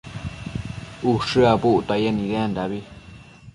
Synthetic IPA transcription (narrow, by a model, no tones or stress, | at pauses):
uʂɨapuʔt̪ajenĩðeand̪aβi